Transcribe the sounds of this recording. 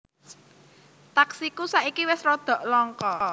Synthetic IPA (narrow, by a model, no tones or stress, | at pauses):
t̪aksikusaikiwɪsrɔd̪̥ɔ̤ʔlɔŋkɔ